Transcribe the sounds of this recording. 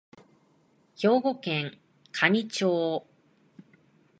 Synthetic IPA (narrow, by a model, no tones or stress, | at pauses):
ço̞ːɡo̞kẽŋ | kʰaɲ̟ʲit͡ɕoː